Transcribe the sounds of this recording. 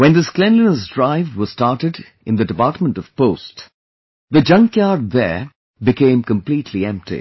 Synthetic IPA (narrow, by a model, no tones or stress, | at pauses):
wɨ̃nðɨsklɛ̃nlinəs̬dɹaɪvdwʌz̥stɑɹtɨd | ɨ̃nðɨdɨpɑɹtmə̃ntʌv̥poʊst | ðɨd͡ʒʌ̃ŋkjɑɹd̪̚ðə˞ | bɨkʰẽɪ̃mkə̃mplitʰliɛ̃mp̚tʰḭ